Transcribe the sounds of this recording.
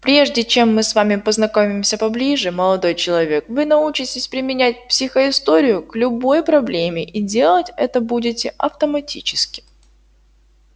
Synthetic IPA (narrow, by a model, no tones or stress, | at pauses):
pɾʲe̞ʐdʲɪt͡ɕemːɨsvamʲɪpəznɐko̞mʲɪmsʲəpɐblʲiʐɨməlˠɐd̪o̞jt͡ɕɪlˠɐvʲe̞kvɨnɐut͡ɕɪtʲɪsʲpɾʲɪmʲɪnʲæt̚ʲpsʲɪxəɪst̪o̞ɾʲɪjʊklʲʊbo̞jpɾɐblʲemʲɪʔidʲe̞lˠətʲɛt̪əbudʲɪtʲɪʔɐft̪əmɐtʲit͡ɕɪ̥skʲɪ̥